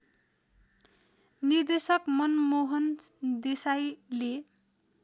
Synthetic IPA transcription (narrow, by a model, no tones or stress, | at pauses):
nird̪esʌkmʌnmoɦʌnd̪esajle